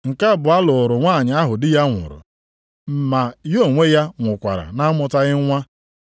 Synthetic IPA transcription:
ŋ̩˨ka˦˨bʊ˨a˦lʊ˨ʊ˨ɾʊ˨ŋʷaː˦˨ɲɪ˨a˦ɦʊ˨dɪ˦ja˦ŋʷʊ̰˨ɾʊ̰˨ | ma˨jo˦˨ŋʷe˦ja˦ŋʷʊ˨kʷa̰˨ɾa̰˨na˦mʊ˨ta˦ɣɪ˦ŋʷa˦

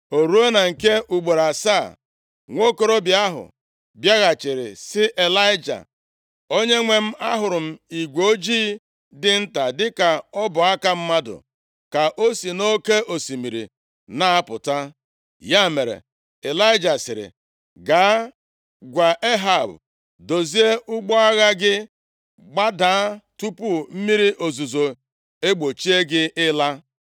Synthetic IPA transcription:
o˨ɾu˦e˦na˨ŋ̩˨ke˦ʔu˨ɡ͡bo˨ɾa˨sa˦˨ | ŋʷo˦ko˦ɾo˦bja˦ɦʊ̰˨ | bja˦ɣa˨t͡ʃɪ˨ɾɪ̰˨sɪ˦ʔe˨la˦ɪ˦d͡ʒa̰˨ | o˦ɲe˦ŋʷe˨m̩˦a˦ɦʊ˨ɾʊ˨m̩˦i˨ɡʷo˦d͡ʒiː˦ | dɪ˦n̩˦ta˨dɪ˦ka˨ɔ˦bʊ˨a˦ka˦m̩˦ma˦dʊ̰˨ | ka˨ʔo˦si˨no˦ke˦ʔo˨si˨mi˨ɾḭ˨ | na˦a˦pʊ˨ta˦ | ja˦˨me˨ɾḛ˨ | e˨la˦ɪ˦d͡ʒa˨sɪ˨ɾɪ̰˨ | ɡa˨a˦ | ɡʷa˨ʔe˦ɦa˦˨b | do˨zi˦e˦ʔʊ˦ɡ͡bɔ˦a˦ɣa˦ɡɪ˦ | ɡ͡ba˦daː˨˦tu˦pu˦m̩˦mi˦ɾi˦ʔo˨zu˨zo˨ | e˦ɡ͡bo˨t͡ʃi˦e˦ɡɪ˦ɪ˦la˦

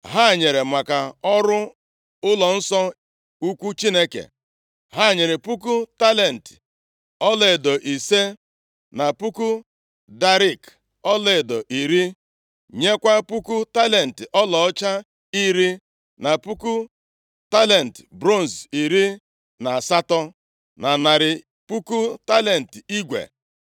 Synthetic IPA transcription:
ɦa˦˨ɲe˨ɾe˨mʷa˨ka˨ɔ˦ɾʊ˦ | ʊ˦lɔ˨n̩˦sɔ˦ | u˦kʷu˦t͡ʃi˦ne˦kḛ˨ | ɦa˦˨ɲe˨ɾe˨pu˦k̬u˦ta˦le˨n̩˨tɪ̥˨ | ɔ˦le˨e˨do˨ʔi˨se˦ | na˨pu˦ku˦ | da˦ɾi˦˨k | ɔ˦le˨e˨do˨ʔi˨ɾi˦ | ɲe˦kʷa˦pu˦ku˦ta˦le˨n̩˨tɪ˨ʔɔ˦lɔ˨ɔ˦t͡ʃa˦ | i˦ɾi˦ | na˨pu˦ku˦ | ta˦le˨n̩˨tbɾo˦˨n˨si˨ɾi˦ | na˨a˨sa˦tɔ˦ | na˨na˨ɾɪ˨ | pu˦ku˦ta˦le˨n̩˨ti˦ɡʷḛ˨

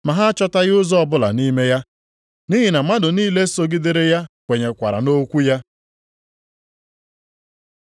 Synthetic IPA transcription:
ma˨ɦa˦t͡ʃɔ˦ta˦ɣɪ˦ʊ˦zɔ˦ɔ˦bʊ˦la̰˨ni˦me˦ja˦ | ni˦ɦi˨na˨ma˦dʊ˨niː˦le˦so˦ɡɪ˦de˦ɾe˦ja˦kʷe˨ɲe˨kʷa˨ɾa̰˨no˦kʷu˦ja˦

